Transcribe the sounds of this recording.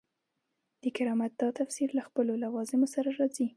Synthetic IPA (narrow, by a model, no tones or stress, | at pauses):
d̪̥əkɪɾɑmat̪̚d̪ɑt̪afsiɾlaxpəlolawɑzɪmosaɾaɾɑzi